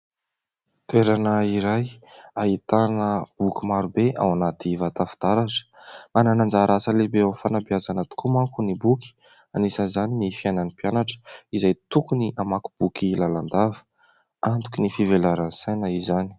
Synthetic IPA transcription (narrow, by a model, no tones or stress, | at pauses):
t̪weɾanəiɾajaɦit̪anəb̥ukʲimaɾubea̰wanat̪ivat̪afi̥d̪̥aɾaʈ͡ʂə̥ | mananand͡zaɾʔasəlebeawfanabiazanət̪u̥kumakunibuki̥ | anisəzaninifiajnanipianaʈ͡ʂə̥izajt̪ukuniʔamaku̥b̥ukilaland̪avə̥ | ant̪u̥kinifivelaɾansajnəizani̥